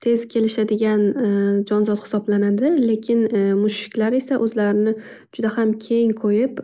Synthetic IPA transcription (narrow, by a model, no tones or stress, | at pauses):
t̪ʰe̞zkʲʰe̞lɪʃad̪ɪɡʲand͡ʒɒnzɒt̪hɪ̥sɒblanad̪ɪle̞kʲʰɪnmʊʃɪ̥kʲlaɾe̞saʔɵzlaɾɪnɪ | d͡ʒ̥ʊd̪ahamkʲʰe̞ŋqʰojɪp